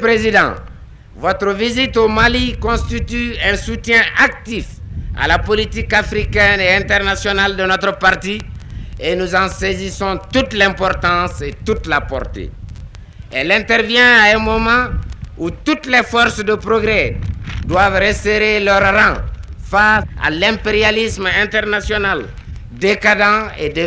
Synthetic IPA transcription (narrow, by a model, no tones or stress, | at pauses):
pɾezid̪ɑ̰̃ | vɔt̪ɾəvizit̪omalikɔ̃st̪it̪yɛ̃sut̪jɛ̃ʔak̚t̪ifa̰lapolit̪ikafɾikɛneɛ̃nt̪ɛʁnasjɔnald̪ənɔt̪ɾəpaʁt̪ienuzɑ̃sezisɔ̃t̪ut̪lɛ̃pɔɾt̪ɑ̃set̪ut̪lapɔ̰ɾt̪ḛ | ɛlɛ̃t̪ɛɾvjɛ̃aɛ̃mɔmɑ̃ut̪ut̪lɛfɔɾsd̪əpɾoɡɾɛd̪wavɾəseɾelœɾɾɑ̃faa̰lɛ̃mpeɾjalismɛ̃nt̪ɛɾnasjɔnal | d̪ekad̪ɑ̃ed̪e